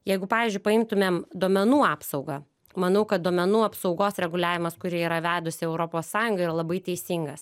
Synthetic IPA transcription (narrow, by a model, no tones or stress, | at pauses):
jɛɪɡʊpɑːʋʲiːzʲd͡ʒʲʊɪpɐɪmt̪ʊmʲeːmd̪oɔmʲɛnuːɑːpsɒʊɡɑ | mɐnɐʊkɐt̪̚d̪oːmʲɛnuːɐpsɒʊɡoːsɾʲɛɡʊlʲæːʋʲɪmɐskʊɾʲiɛiːɾɐʋʲæːd̪ʊsʲɪɛʊɾopoːssɑːjʊŋɡɐɪiɾɐlˠɐbɐɪt̪ʲɛɪsʲɪŋɡɐs